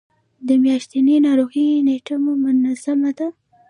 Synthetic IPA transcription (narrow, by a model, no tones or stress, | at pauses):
d̪əmjɑʃt̪ininɑɾoɣineʈamomʊnazamad̪a